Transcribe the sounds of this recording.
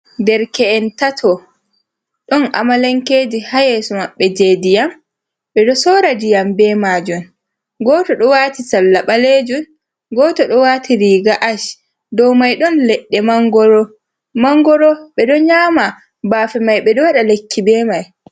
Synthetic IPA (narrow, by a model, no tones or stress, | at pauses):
dɛɾkɛɛntatʰɔ | ɗɔna̰malaŋkeːd͡ʒihajesɔmaɓːɛd͡ʒeːdijam | ɓɛɗɔsɔːɾad͡ʒijambɛmaːd͡ʒum | ɡɔːtɔɗɔwaːtisalːaɓaleːd͡ʒun | ɡɔːtɔɗɔwaːtʰiɾiːɡaʔaʃ | dɔwmajɗɔnlɛɗːɛmaŋɡɔɾɔ | maŋɡɔɾɔɓɛɗɔɲaːma | baːfɛmajɓɛɗɔwaɗalekʰːibɛːmaj